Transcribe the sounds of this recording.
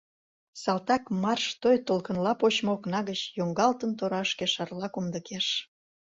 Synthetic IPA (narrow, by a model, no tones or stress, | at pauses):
sɑlt̪ɑkmɑrʃt̪ojt̪olkənlɑpot͡ɕmooknɑɣət͡ɕjoŋɡɑlt̪ənt̪oɾɑʃkeʃɑrlɑkumd̪əkeʃ